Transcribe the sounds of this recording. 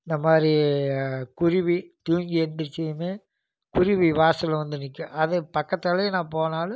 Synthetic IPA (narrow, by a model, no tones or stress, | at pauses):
ɪnd̪ɐmaːdɾi | kʊɾɪʋit̪uːɲd͡ʒiɛnd̪ɯɾt͡ʃːɛjmeː | kʊɾɪʋiʋaːsɪlʋɐnd̪ɯnɪkːɯʔɐðɯpɐkːɐt̪ːɐlɐjnãːpoːnaːlɯ